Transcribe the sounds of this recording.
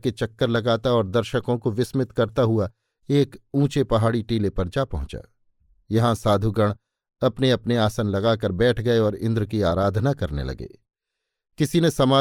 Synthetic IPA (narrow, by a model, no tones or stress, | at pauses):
ket͡ʃɐkːəɾlɐɡaːt̪aɔːɾd̪ɐɾʃəkõkoʋɪsmɪt̪kɐɾt̪aɦua | eːkũːt͡ʃepɐɦaːɽiʈiːlepɐɾd͡ʒapɐɦʊ̃t͡ʃa̰ː | jɐɦãsaːd̪ʱuɡɐɽ̃ | ɐpneɐpneaːsənlɐɡaːkɐɾbɛːʈʰɡɐeɔːɾɪ̃nd̪ɾkiaːɾaːd̪ʱnakɐɾnḛlɐ̰ɡḛː | kɪsinesɐmaː